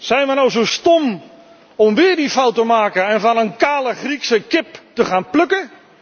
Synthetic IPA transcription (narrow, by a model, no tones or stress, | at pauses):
sɛjnʋənowsostom | ɔmʋɪədifawtəmaːkəɛnfɔnənkaːləχriksəkɪptəxaːnpløkə